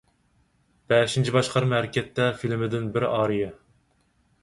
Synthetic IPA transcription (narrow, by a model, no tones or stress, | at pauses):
b̥ɛʃint͡ʃʰibɑʃqʰɑɾmɦæɾɪkʲʰɛt̪ːɛfilmɪd̪ɪnbɪɾɑːɾijɑ